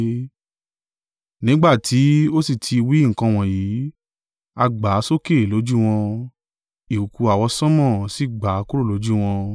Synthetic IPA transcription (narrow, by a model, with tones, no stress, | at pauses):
nĩ˨˦ɡ͡ba˦˨tʰi˨˦o˦si˦˨tʰi˧wi˦˨ŋ̩˨kã˧w̃ɔ̃˨jiː˨˦ | a˧ɡ͡ba˨˦so˦ke˦˨lo˨˦d͡ʒu˦w̃ɔ̃˧ | i˨u˨ku˧a˨wɔ˧sɔ̃˦mɔ̃˦˨si˦˨ɡ͡ba˨˦ku˦ɾo˦˨lo˨˦d͡ʒu˦w̃ɔ̃˧